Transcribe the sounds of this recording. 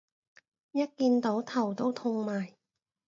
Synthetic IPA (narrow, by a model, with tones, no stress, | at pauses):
jɐ˥t̚kiː˧nt̪o˨˥wt̪ʰɐ˨˩wt̪o˥wt̪ʰʊ˧ŋmaː˨˩j